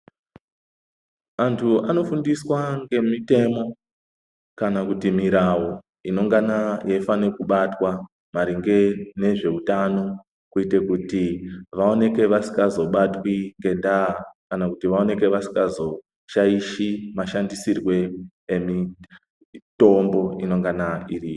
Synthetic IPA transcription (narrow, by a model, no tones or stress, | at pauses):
antʰuano̞fundiswaŋɡe̞mite̞mo̞ | kanakutimiɾawo | ino̞ŋɡanajefanekuɓatwa | maɾiŋɡe̞ne̞ʐe̞utano̞ | kuite̞kutiʋao̞ne̞ke̞ʋasi̥ŋɡazo̞ɓatwiŋɡe̞ndakanakutiʋao̞ne̞ke̞ʋasi̥ŋɡazo̞ | ʃaiʃimaʃandisirwe̞ː | mi | to̞mbo̞ino̞ŋɡanairijo